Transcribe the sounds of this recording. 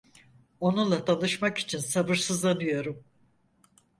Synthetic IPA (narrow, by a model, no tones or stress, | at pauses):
o̞nulˠat̪ʰanɯʃmaki̥t͡ʃʰinsabɯɾsɯzlˠanɯjo̞ɾum